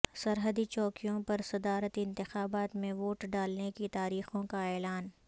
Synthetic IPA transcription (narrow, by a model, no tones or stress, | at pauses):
sɐɾɦəd̪it͡ʃɔːkijõpɐɾsɐd̪aːɾət̪ɪ̃nt̪ɪxaːbaːt̪mẽʋoːʈɖaːlnekit̪aːɾiːxõkaɛːlaːn